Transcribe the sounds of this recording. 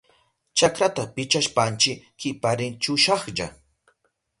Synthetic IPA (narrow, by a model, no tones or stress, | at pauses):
t͡ʃakɾat̪apɪt͡ʃaʃpant͡ʃɪkkɪpaɾɪnt͡ʃʊʃɑχʎa̰